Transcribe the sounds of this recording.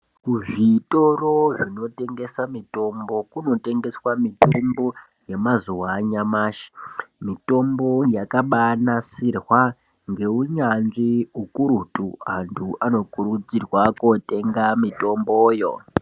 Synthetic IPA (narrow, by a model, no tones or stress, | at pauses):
kuʐitoroʐino̞te̞ŋɡe̞samito̞mbo̞kuno̞te̞ŋɡe̞swamitombo̞ | je̞mazuwaɲamaːʃi̥mito̞mbo̞jakaɓanasirwa | ŋɡe̞uɲanʐiukuɾutuantʰuʔano̞kuɾud͡zirwakote̞ŋɡamito̞mboːjo̞̰